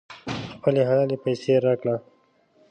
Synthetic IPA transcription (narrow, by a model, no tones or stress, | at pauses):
xpəleɦalalepajseɾakla